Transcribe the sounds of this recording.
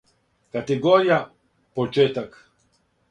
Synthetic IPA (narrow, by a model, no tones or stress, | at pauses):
kat̪eɡoɾija | pot͡ʃeːt̪ak